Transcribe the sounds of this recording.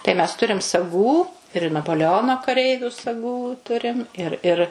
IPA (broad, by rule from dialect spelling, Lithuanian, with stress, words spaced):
tɐɪ mʲɛs ˈtʊrʲɪm sɐˈɡuː ɪr nɐpoːlʲɛˈoːnoː kɐˈrʲɛɪʋʲʊ sɐˈɡuː ˈtʊrʲɪm ɪr ɪr